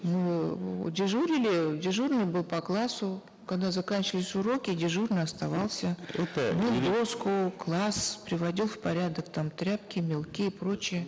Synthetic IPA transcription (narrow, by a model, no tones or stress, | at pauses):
mɨ̰dʲɪʐuɾʲɪlʲɪdʲɪʐurnɨjbɨlˠpɐklˠasʊ | kɐɡd̪azɐkanʲt͡ɕɪəlʲɪsʲʊɾo̞kʲɪdʲɪʐurnɨjɐst̪ɐvalˠsʲəɛt̪əmɪd̪oskʊklˠaspɾʲɪvɐdʲilˠfpɐɾʲad̪əkt̪amt̪ɾʲap̚kʲɪmʲɪlˠkʲiːpɾo̞t͡ɕɪjə